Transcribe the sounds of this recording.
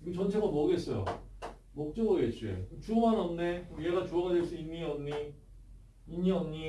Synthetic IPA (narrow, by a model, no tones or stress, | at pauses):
ɡet͡ɕʌnt͡ɕʰeɡʌmʌɡes͈ʌjo̰ | mok̚t͡ɕ͈ʌɡʌɡet͡ɕ͈iḛt͡ɕuomanʌmnejeɡat͡ɕoaɡadwes͈ʰʌinːiʌmɲi | inɲiʌmɲi